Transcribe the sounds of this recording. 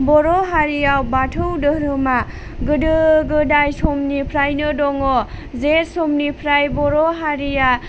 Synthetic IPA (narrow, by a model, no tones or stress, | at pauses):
bɔɾɔɦaɾijawbatʰɯwdɯɾɯma | ɡɯdɯɡɯdajsɔmnipʰɾajnɯdɔŋɔzetsɔmnipʰɾajbɔɾɔɦaɾija